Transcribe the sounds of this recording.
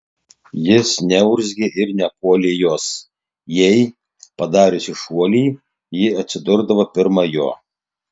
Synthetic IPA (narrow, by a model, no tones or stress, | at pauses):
jɪsnʲɛʊɾʲzʲɡʲeʔɪɾnʲɛpuɔlʲeːjoːs | jɛɪ | pɐd̪ɑːɾʲesʲɪʃuɔlʲiː | jɪɐt̪ʲsʲɪd̪ʊɾd̪ɐʋɐpʲɪɾmɐjo̰ː